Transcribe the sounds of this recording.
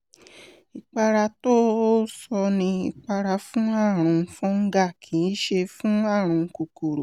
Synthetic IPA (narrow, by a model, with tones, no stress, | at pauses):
i˧k͡pa˧ɾa˧to˦sɔ˧nĩ˧ḭ˧k͡pa˧ɾa˧fũ˦a˦˨ɾ̃ũ˨˧fũ˦ŋ̩˦ɡa˦˨kʰĩ˨˦i˦ʃe˧fũ˦a˦˨ɾ̃ũ˧˦ku˧ko˨ɾo˨